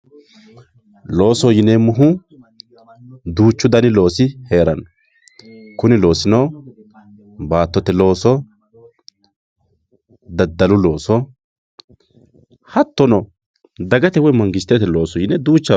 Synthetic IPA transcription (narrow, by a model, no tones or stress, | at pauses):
lo̞ːsɔjɪnɛmʊɦʊ | d̪uːt͡ʃːʊd̪ɐnɪlo̞ːsɪheːɾɐn | kʊnɪlo̞ːsɪno | baːt̪ːɔt̪ɛlo̞ːsɔ | d̪ɐd̪ːɐlʊlo̞ːsɔ | hɐt̪ːɔnɔ | d̪ɐɡɐt̪ɛwɔjmɐŋɡɪst̪ːɛt̪ɛlo̞ːsɔjɪnɛd̪uːt͡ʃːɐ